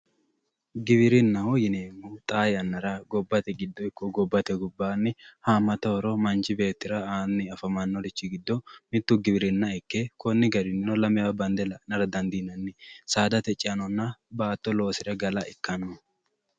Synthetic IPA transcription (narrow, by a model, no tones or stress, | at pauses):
ɡɪβɪɾɪnːɐhojɪneːmːut̪ʼaːjɐnːɐɾɐɡɔbːɐt̪ɛɡɪd̪ːɔɪkːɔɡɔbːɐt̪ɛɡʊbːaːnːɪhaːmɐt̪ɐhɔɾɔmɐnt͡ʃɪbe̞ːt̪ːɪɾɐaːnːɪɐfɐmɐnːɔdɪt͡ʃːɪɡɪd̪ːɔmɪt̪ːʊɡɪbɪɾɪnːɐɪkːekɔnːɪɡɐɾɪnːɪnɔlɐmɛjabɐnd̪ɛlɐnɐɾɐd̪ɐnd̪inɐnːɪsaːd̪ɐt̪ɛt͡ʃʼːɪɐnɔnːɐbaːt̪ːɔlo̞ːsɪɾɐɡɐlɐʔɪkːɐnːɔ